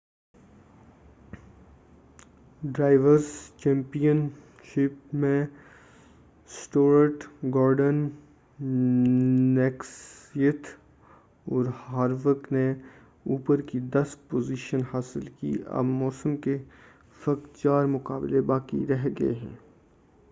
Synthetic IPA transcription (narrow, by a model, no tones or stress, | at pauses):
ɖɾaːɪʋəɾst͡ʃɛ̃ːmpijən | ʃɪpmẽ | sʈoːɾəʈɡaːɾɖən | ɛksijət̪ | ɔːɾhaːɾʋək̪ne | uːpəɾkid̪ɐst̪̚poːziːʃənhaːsɪlkḭːɐ̰bmɔːsəmke | fɐkt͡ʃaːɾmʊkaːblebaːkḭɾɛɦɡɐḛɦɛ̰̃ː